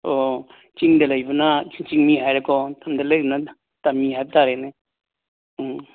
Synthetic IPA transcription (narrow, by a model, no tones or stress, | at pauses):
o | t͡ʃiŋdelajbɯnat͡ʃiŋmiɦajɾakɔtamdelajbəna | tamːiɦajb̚taɾene